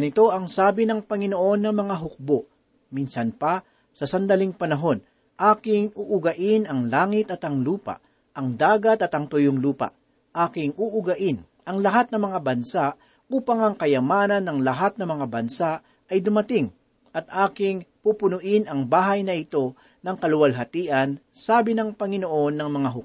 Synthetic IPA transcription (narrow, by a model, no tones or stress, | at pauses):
nɪt̪o̞ʔɐŋsaːbɪnɐŋpɐŋɪnoʔo̞nːɐmɐŋaɦʊk̚boʔ | minsɐnpɐ | sɐsɐnd̪ɐliŋpɐnɐɦo̞n | ʔaːkɪŋuʔʊɡɐʔɪnɐŋlaːŋɪt̪ɐt̪ɐŋluːpɐ̰ʔ | ʔɐŋd̪aːɡɐt̪ɐt̪ɐŋt̪ʊjoŋluːpɐ̰ʔ | ʔaːkɪŋʊʔʊɡɐʔɪn | ɐŋlɐɦat̪̚nɐmɐŋabɐnsaʔ | ʔuːpɐŋɐŋkɐjɐmaːnɐnːɐŋlɐɦat̪̚nɐmɐŋabɐnsaʔ | ɐjd̪ʊmɐt̪ɪŋ | ʔɐt̪̚aːkɪŋpupʊnʊʔɪnɐŋbaːɦɐjnɐɪt̪o̞ | nɐŋkɐlʊwɐlɦɐt̪iːʔɐnsaːbɪnɐŋpɐŋɪnoʔo̞nːɐŋmɐŋaɦʊk